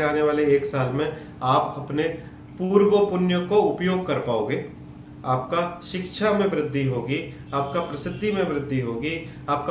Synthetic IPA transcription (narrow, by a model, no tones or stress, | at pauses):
aːneʋaːleːksaːlmẽ | aːpɐpne | puːɾwəpʊnjəkoʊpjoːɡ̚kɐɾpaːoːɡeː | aːp̚kaʃɪkʃʰamẽbɾɪd̪ʱːiɦoːɡi | aːp̚kapɾɐsɪd̪ʱːimẽbɾɪd̪ʱːiɦoːɡi | aːp̚ka